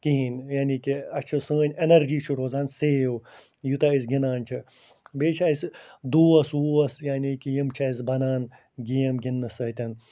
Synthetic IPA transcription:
kiɦinjaːnikiɐt͡ʃʰɨsə̃ːnʲenɐɾd͡ʒiːt͡ʃʰuɾoːzaːnseːw | jut̪ɐisɡʲinaːnʲt͡ʃʰi | beːt͡ʃʰɐisd̪uːɐsuːɐsjaːnikijimt͡ʃʰɐis̬bɐnaːn | ɡijɐmɡinːɨsɐːt̪ʲɐŋ

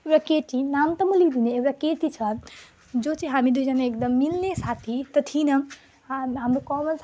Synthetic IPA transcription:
ewɾakeʈinant̪əməlid̪ineːbɾakeʈit͡ʃʰʌ | d͡ʒot͡ʃiɦamid̪uid͡ʒʌnaekd̪əmːilnesat̪ʰit̪ət̪ʰinʌ | ɦamɾokɔməls

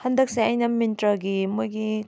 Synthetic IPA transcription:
hɐndɐk̚seajnɐmintɾɐɡimujɡi

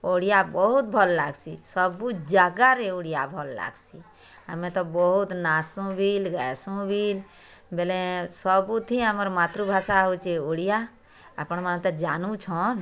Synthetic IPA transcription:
oːɽijabɔɦʊt̪̚bʱɔlːa̰ːɡsisɔbud͡ʒaːɡaɾeoɽijabʱɔlːa̰ːɡsi | ə̰mẽt̪ɔbɔɦʊt̪naːsũbʱilɡəsũbʱil | belẽsɔbut̪ʰĩɦəməɾmaːt̪ɾubʱaːsaɦot͡ʃeoɽija | ə̰pñməñt̪ed͡ʒaːnut͡ʃʰɔn

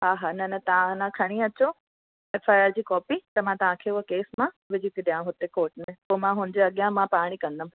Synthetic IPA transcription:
ɦaːɦanɐnɐt̪ɐãnãkʰɐɽ̃ĩɐt͡ɕo | eːfaːjaːɾd͡ʑiːkɔːpit̪ɐmãt̪ɐʋ̤ãkʰeʊɦkeːsmã | ʋɪd͡ʑʱit̪iɗijãɦʊt̪ekoːʈmẽpoːmãɦʊnɪd͡ʑeɐɠjãmãpaːɽ̃ikɐ̃nd̪əm

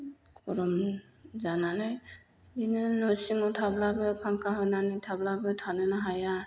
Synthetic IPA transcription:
kɔɾɔm | zananɯj | inɯnɔsiŋɔtʰablabɯpʰaŋkaɦɔjnanitʰablabɯtʰanɯnaɦaja

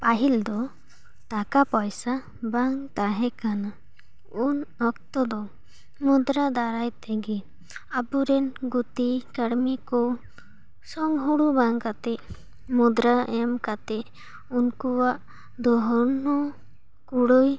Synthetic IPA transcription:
paɦild̪ɔ | t̪akapɔjsa | baŋt̪aɦɛkana | unɔk̚t̪ɔd̪ɔ | mud̪ɾad̪aɾajt̪ɛɡi | abuɾɛnɡut̪ikəɽmikɔ | sɔŋɦuɽubaŋkat̪ɛ | mud̪ɾaɛmkat̪ɛʔ | unkuwaʔ | d̪ɔɦɔnɔ | kuɽuj

